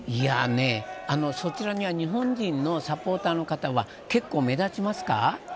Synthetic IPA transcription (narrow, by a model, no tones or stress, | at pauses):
ia̰ne̞ano̞so̞t͡ɕiɾaɲ̟iβaɲ̟iɦõ̞ɲ̟d͡ʑĩnːo̞sapo̞ːt̪aːno̞kat̪aβa | ke̞kːo̞ːme̞d̪at͡ɕimasɨ̥ka̰